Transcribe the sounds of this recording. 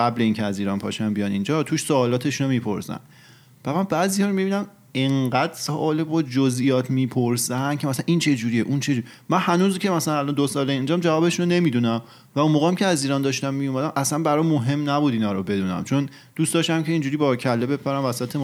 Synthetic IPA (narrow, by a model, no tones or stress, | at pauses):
ɢæbleiːŋcʰeæziːɾɒːnpʰɒ̰ːʃænbijɒnind͡ʒɒt̪ʰuːʃsoːlɒːt̪ʰe̞ʃunomiːpʰo̰ɾsæ̰n | væmænbæːziːhɒːɾomibiːnæm | eŋɢæd̪̥soʔɒːlebod͡ʒozʔijɒːt̪ʰmiːpʰoɾsænkʰemæsælænʔint͡ʃʰe̞d͡ʒuɾijḛʔunt͡ʃʰe̞d͡ʒuɾi | mænhænuːzcʰe̞mæsælænælɒnd̪osɒːleind͡ʒɒmd͡ʒævɒːbe̞ʃunone̞miːd̪uːnæm | væunmoːɣeːæmcʰeæziːɾɒːnd̪ɒːʃt̪æmːiumæd̪æmʔæslænbæɾɒjmoɦe̞mnæbuːd̪iːnɒːɾobe̞d̪uːnæ̰mt͡ʃʰo̞n | d̪̥uːstd̪ɒːʃt̪æmcʰe̞iːnd͡ʒuɾiːbɒcʰælːebe̞pʰæɾæmvæsæt̪ʰe